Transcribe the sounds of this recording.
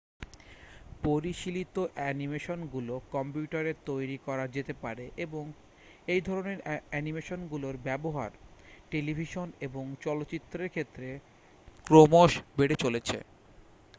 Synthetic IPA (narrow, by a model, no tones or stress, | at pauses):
poɾiʃilit̪oʔɛnimeʃonɡulokɔmpjuʈaɾet̪ojɾikɔɾad͡ʑet̪epaɾeʔeboŋ | ejd̪ʱɔɾoneɾɛnimeʃonɡuloɾbɛboɦa̰ɾʈelibʱiʃoneboŋt͡ɕɔlotːɕit̪ːɾeɾkʰet̪ːɾe | kɾomoʃbeɽet͡ɕolet͡ɕʰḛ